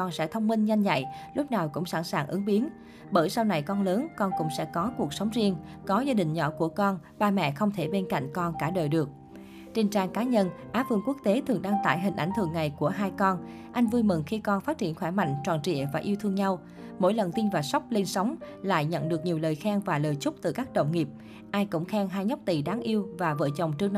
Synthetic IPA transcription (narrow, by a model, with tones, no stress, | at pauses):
kɔ˧nsɛ̰˧˥t̪ʰə˧wŋ͡mmï˧ŋ̟ɲa˧jŋ̟za̰˧˨jlʊ˦˥p̚naː˨˩wkʊ̰˧˥ŋ͡msa̰˧˩nsaː˨˩ŋʔɨ˨˦ŋɓi˨˦ən | ɓəː˧˩jsa˧wna˨˩jkɔ˧nləː˨˦nkɔ˧nkʊ̰˧˥ŋ͡msɛ̰˧˥kɔ˨˦ku˨˩ək̚sə˨˦wŋ͡mzi˧əŋkɔ˨˦zaː˧ɗï˨˩ŋ̟ɲɔ̰˧˩ku˧˩əkɔ˧nɓaː˧mɛ̰˧˨xə˧wŋ͡mt̪ʰe˧˩ɓe˧nka̰˧˨jŋ̟kɔ˧nkaː˧˩ɗəː˨˩jɗɨ˨˩ək̚ | t͡ɕe˧nt͡ɕaː˧ŋkaː˨˦ɲə˧nʔaː˨˦vɨ̰˧˨ŋku˦˥ək̚t̪e˨˦t̪ʰɨ˨˩əŋɗaː˧ŋt̪a̰ː˧˩˨jɦï˨˩ŋ̟ʔa̰˧˩jŋ̟t̪ʰɨ̰˨˩əŋːa˨˩jku˧˩əɦaː˧jkɔ˧n | ʔa˧jŋ̟vu˧jmɨ˨˩ŋxi˧kɔ˧nfaː˦˥t̚t͡ɕḭ˧˩ənxwɛː˧˩ma̰˧˨jŋ̟t͡ɕwa̰ː˨˩nt͡ɕḭ˧˨əvaː˨˩ʔi˧wt̪ʰɨ˧əŋɲa˧w | mo̰˧˥jlə˨˩nt̪i˧nvaː˨˩sa˦˥wk͡p̚le˧nsa˨˦wŋ͡mla̰ː˧˨jɲə̰˧˨nɗɨ˨˩ək̚ɲi˨˩wləː˨˩jxaː˧ŋvaː˨˩ləː˨˩jt͡ɕʊ˦˥k͡p̚t̪ɨ˨˩kaː˦˥k̚ɗə̰˧˨wŋ͡mŋi˨˩p̚ | ʔaː˧jkʊ̰˧˥ŋ͡mxɛː˧ŋɦaː˧jɲa˦˥wk͡p̚t̪i˧˩ɗaː˨˦ŋʔi˧əwvaː˨˩və̰ː˧˩jt͡ɕə˨˩wŋ͡mt͡ɕɨ˧əŋn˧